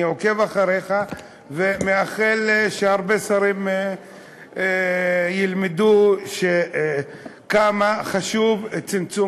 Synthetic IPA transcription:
ioke̞vaχaʁeχa | vemeaχelʃeaʁbesaɾim | jilmed̪uʃe | kamaχaʃuvt͡simt͡su

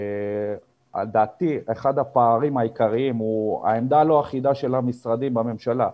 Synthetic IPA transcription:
a̰d̪aːt̪ieχad̪apaːʁimaikaʁiimua̰e̞md̪alo̞aχid̪aʃe̞lamisʁad̪imbame̞mʃala

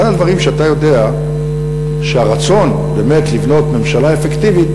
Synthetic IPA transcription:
adadvaʁimʃeatajo̞de̞a | ʃeaʁat͡so̞n | be̞me̞t̪livno̞tme̞mʃalae̞fektivit̪

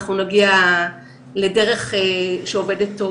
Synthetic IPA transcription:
χunaɡia | le̞de̞ʁe̞χeʃeove̞detːo

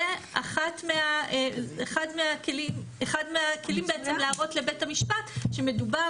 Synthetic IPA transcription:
e | aχatmeaeeχadmeakelimeχadmeakʰe̞limbeet͡semlaaʁo̞tle̞betamiʃpatʃe̞me̞duba

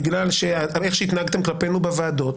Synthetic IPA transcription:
ɡlalʃeaeχʃeit̪naɦaɡt̪emklape̞nubevaːd̪o̞t̪

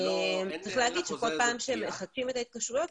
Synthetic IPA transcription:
emt͡sʁiχleɦaɡid̥̪ʃeko̞lpaːmʃeemeχakʃime̞t̪ait̪̚kaʃʁujot̪̚

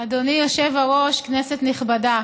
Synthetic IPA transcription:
adonijoʃevaʁo̞ʃknesetniχbada

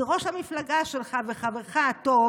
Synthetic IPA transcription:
ʁo̞ʃhamiflaɡaʃelχaveχaveʁχato

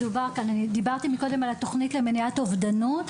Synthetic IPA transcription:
dubaʁkananid̪ibaʁt̪imiko̞de̞malat̪o̞χnitlemeniat̪ovd̪anut̪

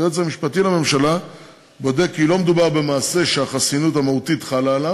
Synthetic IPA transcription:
ozamiʃpatilame̞mʃala | bo̞de̞kːilo̞med̪ubaʁbe̞maːse̞ʃeaχasinutamautitχalala

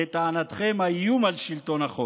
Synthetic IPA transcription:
et̪aːnat̪χemajumalʃilt̪o̞naχo

